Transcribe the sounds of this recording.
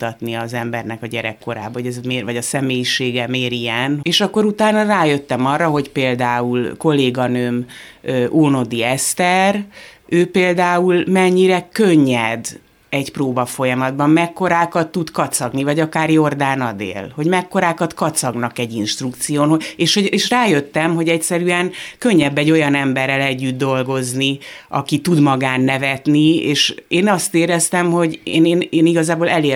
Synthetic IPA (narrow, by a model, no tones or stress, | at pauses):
ut̪ɒt̪niɒzɛmbɛrnɛkɒɟɛɾɛkːo̞ɾa̰ːbɦoɟɛzmeːvɒɟɒsɛmeːjiʃeːɡɛmeːɾijɛneːʃɒkːo̞ɾut̪aːnɒraːjø̞t̪ːɛmɒrːɒɦo̞ɟpeːld̪aːulko̞lːeːɡɒnøːmøoːno̞d̪iɛst̪ɛrøːpeːld̪aːulmɛɲːiɾɛkøɲːɛd̪ | ɛɟproːbɒfo̞jɒmɒd̪bɒmmɛkːo̞ɾaːkɒt̪ːut̪kɒt̪sɒɡnivɒɟɒkaːrjo̞rd̪aːnɒd̪ḛːlho̞ɟmɛkːo̞ɾaːkɒt̪kɒt̪sɒɡnɒkɛɟːinʃt̪rukt̪sijoːnɦoeːʃhoeːʃraːjøt̪ːɛmɦo̞ɟɛcsɛɾyɛŋkø̞ɲːɛbːɛɟːojɒnɛmbɛrːɛlɛɟːyd̪ːo̞lɡo̞zniɒ̰kit̪ud̪mɒɡaːnːɛvɛt̪nieːʃeːnɒst̪eːɾɛst̪ɛmho̞ɟḛːneːneːniɡɒzaːboːlɛleː